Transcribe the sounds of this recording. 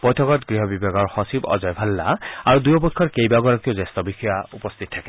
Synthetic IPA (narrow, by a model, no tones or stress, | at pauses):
bɔjtʰɔkɔtɡɹiɦɔbibaɡɔɹxɔsibɔ̰zɔjbʱalːa̰aɹudujɔpɔkʰːɔɹkejbaɡɔɹakiozɛstɔbixɔjaṵpɔst̪ʰit̚tʰːakɛ